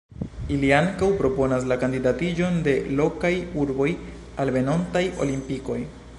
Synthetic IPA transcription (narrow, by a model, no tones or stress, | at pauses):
iliaŋkawpɾo̞po̞nas̬lakandidatid͡ʒo̞nde̞lo̞kajuɾbo̞j | alve̞no̞ntajo̞̰limpiko̞j